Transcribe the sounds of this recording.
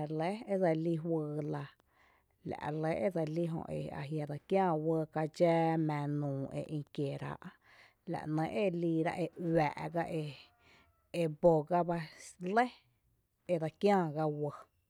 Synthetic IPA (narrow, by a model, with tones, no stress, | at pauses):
le˦e˦d͡za˧li˧ɦwɨː˧la˧ | la̰˨ʔlə˦ʔe˦d͡za˧li˦ɦõ̰˧˨ʔḛ˧˨a̰˨ɦja˨d̪a˨kjãː˦˧˨wə˧ka˧d͡ʒɛː˦mɛ̃ː˨˧nũː˨ḛ˧˨ʔĩ˧kje˨ɾa̰˧˦ʔ | la̰˨ʔnə̃˧˦ʔe˦˨liː˧ɾa̰˧ʔe˧wæ̰ː˨ʔɡa˦ʔe˧ | e˧bo˨ɡa˦ba˧le˦ | e˧d̪a˧kjãː˦˨ɡa˧wə˧